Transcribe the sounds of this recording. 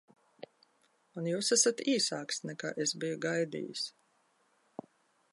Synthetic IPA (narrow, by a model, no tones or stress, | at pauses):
unjuːsæsat̪iːsaːksnɛka̰ːʔesbijuɡajd̪ḭːjṵs